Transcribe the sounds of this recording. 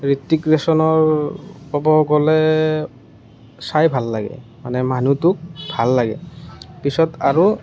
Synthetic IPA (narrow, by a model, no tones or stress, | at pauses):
ɹitːikɹesɔnɔɹ | ɔbɔɡɔlɛ | sajbʱalːaɡɛ̰manɛmanutʊk̚bʱalːaɡɛ̰pisɔtaɹu